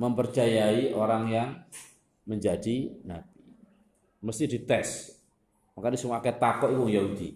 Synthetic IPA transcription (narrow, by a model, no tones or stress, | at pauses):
məmpərt͡ʃajaiʔoɾaŋjaŋ | məɲd͡ʒadinab̥̚i̥ | məst̪ihd̥it̪ɛs | makandisumaakɛt̪akɔʔikuŋjaɦud̪̥ḭ